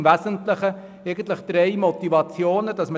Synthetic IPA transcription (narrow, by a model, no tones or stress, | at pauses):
væsəntləχə | ɛɪɡən̩tləχd̥̪ɾeɪmɔtivɑt͡sjoːnəd̥ɑsmə